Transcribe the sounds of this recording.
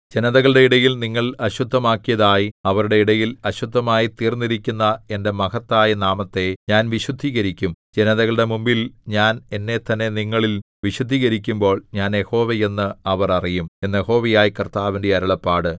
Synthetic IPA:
d͡ʑe̞nɐðɐɣɐɭɽe̞iɽɐjilniŋːɐɭɐɕud̪ʱːɐmaːkːijɐðaːjiɐʋɐɾuɽe̞iɽɐjilɐɕud̪ʱːɐmaːjit̪iːrnːiɾikʲːunːɐe̞nde̞mɐkɐt̪ːaːjɐnaːmɐt̪ːe̞ɲaːnʋiɕud̪ʱːiːɣɐɾikʲːumd͡ʑenɐðɐɣɐɭɽe̞mumbilɲaːne̞nːe̞t̪ɐnːe̞niŋːɐɭil | ʋiɕud̪ʱːiːɣɐɾikʲːumbo̞ːɭɲaːnje̞ho̞ːʋeje̞nːɨɐʋɐrɐrijumenːje̞ho̞ːʋɐjaːjikɐrt̪aːʋindeɐɾɐɭɐpːaːɽɨ

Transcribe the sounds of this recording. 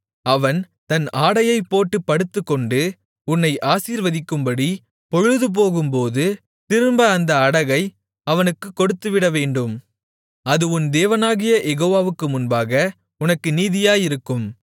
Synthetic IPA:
ɐʋɐn | t̪ɐnaːɽɐjɐɪpːoːʈːɯpːɐɽɯt̪ːɯkːɔɳɖɯ | ʊnːɐɪʔaːsiːɾʋɐðɪkːɯmbɐɽi | pɔɻɯðɯp̬oːɣɯmpoːðɯ | t̪ɪɾɯmbɐːnd̪ɐːɽɐɣɐɪ | ɐʋɐnɯkːɯkːɔɽɯt̪ːɯʋɪɽɐʋeːɳɖɯm | ɐðɯʊnd̪eːʋɐnaːɣɪjɐʔɛɣoːʋaːʋɯkːɯmʊnbaːɣɐ | ʊnɐkːɯniːðɪjaːjɪɾɯkːɯm

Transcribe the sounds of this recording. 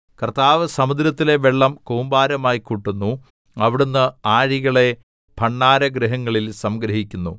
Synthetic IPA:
kɐrt̪aːʋɐsɐmud̪ɾɐt̪ːile̞ʋeɭːɐmkoːmbaːɾɐmaːjikuʈːunːu | ɐʋiɽunːɨaːɻiɣɐɭe̞ | bʱɐɳːaːɾɐɡɾiɦɐŋːɐɭilsɐmɡɾɐɦikʲːunːṵ

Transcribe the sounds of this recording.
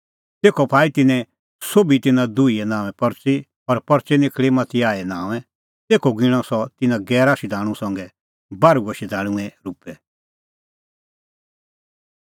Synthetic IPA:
t̪eːkʰɔpʰaːit̪ɪnɛ̃ | soːbit̪ɪnãd̪uiɛnãːʋɛ̃pɐɾt͡si | ɔɾpɐɾt͡ʃɛnɪkʰɭimɐt̪ʰiaːɛnãːʋɛ̃ | t̪eːkʰɔɡɪɽ̃ɔ̃sɔt̪ɪnãɡɛːɾaːʃid̪ʱaːɽ̃ũsɐ̃ŋɡɛ | baːɾuɡoʃid̪ʱaːɽ̃ũɛ̃ɾupɛ

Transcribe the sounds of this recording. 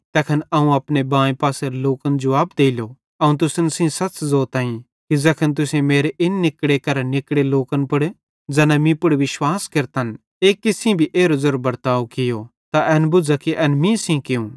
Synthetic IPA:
t̪ɛːkʰənɐũɐpnebãːẽpaːseɾloːkənd͡ʒɐʋaːb̚d̪eːɪlo | ɐũt̪ʊsənsĩsɐt͡ʃzoːɾt̪ãːĩ | kizɛkʰənt̪ʊsẽmeːɾeʔɪnːɪkɽekɐɾanɪkɽeloːkənpʊɽ | d͡zɛːnamĩpʊɽʋɪʃwaːskɐɾt̪an | eːkːɪsɪ̃bʱiʔeːɾozʊɾbbɐɾt̪aːokɪjot̪aʔɛːnbʊd͡ʒakiʔɛːnmĩsĩkɪũ

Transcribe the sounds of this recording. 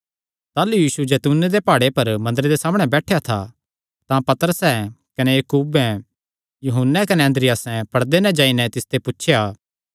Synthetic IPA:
t̪aːlujiːsud͡ʒɛːt̪uːnːed̪epaːɽepɐɾmɐ̃nd̪əɾed̪esaːmɽ̃ɛbɛːʈʰejat̪ʰa̰ | t̪ãpɐt̪əɾəsɛ̃kɐnejɐkuːbɛ̃ | juɦʊnːɛkɐneɐ̃nd̪ɾɪjaːsɛ̃pɐɽd̪enɛ̃d͡ʒãːinɛt̪ɪst̪ʰepʊtːʃʰjaː

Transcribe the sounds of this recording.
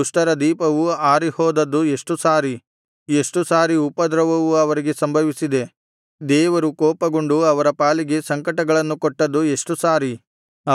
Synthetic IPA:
uʂʈɐɾɐd̪iːpɐʋuaːɾihɔːd̪ɐd̪ːue̞ʂʈusaːɾi | e̞ʂʈusaːɾiupɐd̪ɾɐʋɐʋuɐʋɐɾiɡe̞sɐmbʱɐʋisid̪e̞ | d̪ɛːʋɐɾukɔːpɐɡoɳɖuɐʋɐɾɐpaːliɡe̞sɐŋkɐʈɐɡɐɭɐnːukoʈːɐd̪ːue̞ʂʈusaːɾi

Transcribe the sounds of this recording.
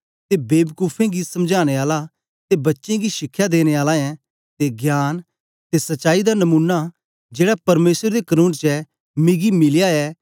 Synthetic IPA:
t̪ebeːbkuːpʰẽɡisɐmd͡ʒʱaːɽ̃eaːla | t̪ebɐtːʃẽɡiʃɪkʰːjad̪eːñeaːlaɛ̃ | t̪eɡjaːn | t̪esɐtːʃaːid̪anɐmũːnːa | d͡ʒeːɽapɐɾmeːsəɾd̪ekəɾũːnt͡ʃɛ | mɪɡimɪljaɛː

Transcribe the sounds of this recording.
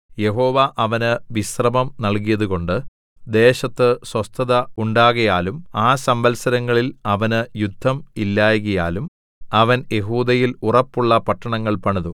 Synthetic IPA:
je̞ɦo̞ːʋaʔɐʋɐnɨʋisrɐmɐmnɐɭk̬ijɐðuɣo̞ɳɖɨ | d̪e̞ːɕɐt̪ːɨswɐst̪ʰɐðɐuɳɖaːɣɐjaːlumaːsɐmbɐlsɐɾɐŋːɐɭilɐʋɐnɨjud̪ʱːɐmilːaːjɣɐjaːlum | ɐʋɐnje̞ɦuːd̪ɐjilurɐpːuɭːɐpɐʈːɐɳɐŋːɐɭpɐɳɐðu

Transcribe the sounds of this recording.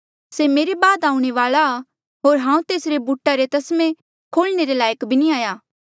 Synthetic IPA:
semeːɾebaːd̪aːũɽ̃eʋaːla | ɦoːɾɦãːũt̪eːsɾebuʈaɾet̪ɐsmẽ | kʰoːlneɾelaːjəkbʱiniaːjaː

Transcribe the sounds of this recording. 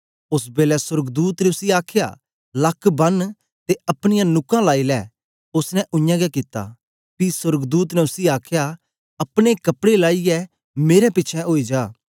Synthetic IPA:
ʊsbeːlɛsʊɾɡd̪uːt̪ɾeʊsiaːkʰɪja̰ | lɐkʰːbɐn | t̪eɐpɽ̃ɪjãnʊkãlaːilɛː | ʊsnɛ̃ʔʊ̃jãɡɛkit̪ːa̰ː | pisʊɾɡd̪uːt̪nɛ̃ʊsiaːkʰja | ɐpɽ̃ekɐpɽelaːiɛ | meːɾɛpɪːt͡ʃʰɛoːid͡ʒaː

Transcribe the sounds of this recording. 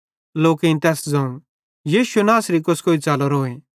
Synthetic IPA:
loːkeĩnt̪ɛːsd͡zɐ̃ũ | jiːʃuenaːsɾikʊskoːit͡saːlɔɾoːẽ

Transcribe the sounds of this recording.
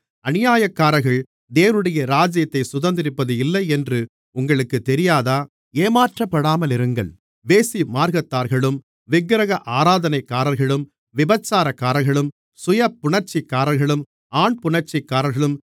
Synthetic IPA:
ɐnɪjaːjɐkːaːɾɐɣɐɭ | d̪eːʋɐnɯɽɐjɐɾaːd͡ʒɪjɐt̪ːɐɪsʊðɐnd̪ɪɾɪpːɐðɯɪlːɐɪɛndrɯ | ʊŋɡɐɭɯkːɯt̪ːɛɾɪjaːðaː | eːmaːʈrɐpːɐɽaːmɐlɪɾɯŋɡɐ̰ɭ | ʋeːsimaːɾɣɐt̪ːaːɾɣɐɭɯm | ʋɪɡɾɐɣɐʔaːɾaːðɐnɐɪkːaːɾɐlɣɐɭɯm | ʋɪbɐt͡ʃːaːɾɐkːaːɾɐɾɣɐɭɯm | sʊjɐpːʊɳɐɾt͡ʃɪkːaːɾɐɾɣɐɭɯm | aːɳpʊɳɐɾt͡ʃɪkːaːɾɐɾɣɐɭɯm

